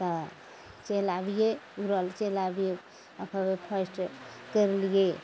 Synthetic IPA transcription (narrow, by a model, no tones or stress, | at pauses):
t̪ə | t͡ʃelabijeuɾəlt͡ʃelabije | əpʰabepʰəsʈkəɾelije